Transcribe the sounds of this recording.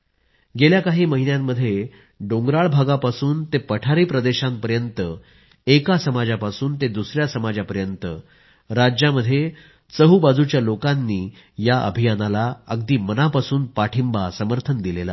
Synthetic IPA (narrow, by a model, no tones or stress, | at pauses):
ɡeljakaɦiːməɦinjamːəd̪ʱːje | ɖoŋɡɾaɭbʱaɡapasuːnt̪epəʈʰaɾiːpɾəd̪eɕãmpəɾjənt̪ə | ekasəmad͡ʑapasuːnt̪ed̪usɾjasəmad͡ʑapəɾjənt̪ə | ɾad͡ʑjaməd̪ʱːje | t͡səɦuːbad͡zut͡ɕjalokanːiː | jaʔə̰bʱijanalaəɡd̪iːmənapasuːnpaʈʰimbasəməɾt̪ʰənd̪ilela̰